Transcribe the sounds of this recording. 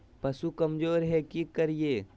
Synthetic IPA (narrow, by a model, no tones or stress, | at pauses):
pɐsukɐmd͡ʒoːɾɦɛkikɐɾijeː